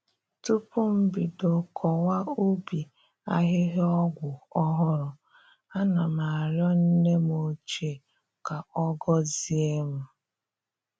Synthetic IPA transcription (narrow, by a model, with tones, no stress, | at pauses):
tu˦pʊ˦m̩˦bi˨do˨kʰɔ˨wa˦o˦bi˨ | a˦ɦɪ˦ɦe˦ɔ˦ɡʷʊ˨ɔ˦ɦɔ˦ɾɔ˨ | a˦na˨ma˨ɾjɔ˦n̩˦ne˦m˦o˨t͡ʃe˦˨ | ka˨ɔ˦ɡɔ˦zi˦e˦m̩˦